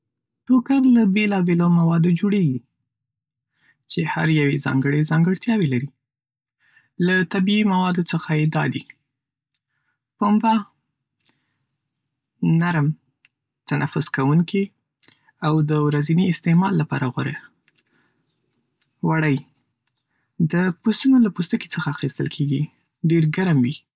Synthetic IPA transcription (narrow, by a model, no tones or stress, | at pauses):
ʈokaɾlabelɑbelomawɑd̪od͡ʒoɽeɡi | t͡ʃeha̰ɾjawezɑ̰ŋɡəɽezɑŋɡəɽt̪jɑwelaɾi | lat̪abiimawɑd̪ot͡səxajed̪ɑd̪i | pomba | naɾm | t̪anʔa̰fʊskawuŋki | awd̪əwɾaziniɪst̪emɑlːapɑ̰ɾaɣaɾe | waɽəj | d̪əpust̪unolapust̪əki̥t͡səxaːxist̪ə̰lkʰeɡi | ɖeɾɡaɾmwi